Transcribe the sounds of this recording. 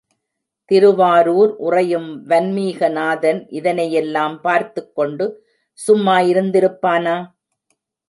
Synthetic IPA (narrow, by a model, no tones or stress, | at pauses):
t̪ɪɾɯʋaːɾuːɾʔʊrɐjɯmʋɐnmiːɣɐnaːðɐnʔɪðɐnɐjɛlːaːmpaːɾt̪ɯkːɔɳɖɯ | sʊmːaːjɪɾɯnd̪ɪɾɯpːaːnaː